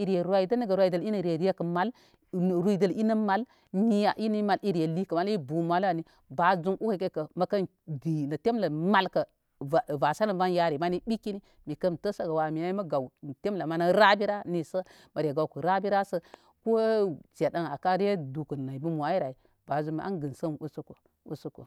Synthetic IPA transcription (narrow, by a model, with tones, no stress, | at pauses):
i˨ɾe˨ɾa˦i˨də˦ni˦ɡə˨ɾwa˨i˨də˨li˦nə˨ɾe˨ɾi˦e˦kɐ˨ma˨l | ɾu˦i˨də˨li˦nə˦ma˨l | ni˦a˨ʔi˦nə˦ma˨li˦ɾe˨li˦kə˨ma˦li˦bu˨ma˨la˨ni˦ | ba˨zu˦ŋʔu˦ha˦˨ka˦˨kə˨mɐ˨kɐ˦n | di˨nɐ˨te˦mlə˨ma˨lkə˨ | a˨va˨sa˦lə˨nba˦nja˦ɾi˨ma˦ni˦ɓi˦ki˦ni˦ | mi˨kə˦mtə˦sə˦ɡa˨wa˨mi˨a˦i˦mɐ˦ɡa˨wn˨te˦mla˨ma˨˦na˦ɾa˦bi˦ɾa˦ni˨sə˦ | mə˨ɾʲe˨ɡa˨wku˨ɾa˦bi˦ɾa˦sə˦ | ko˦t͡ʃe˨da˦ŋa˨ka˦ɾe˦du˨ku˨na˨i˨bu˦mʷ˨a˨i˦ɾa˨i˨ | ba˨zu˨ŋi˨ʔa̰˦nɡɨ˨nsə˦n˨u˦su˦ko˨ | ṵ˨su˦ko̰˨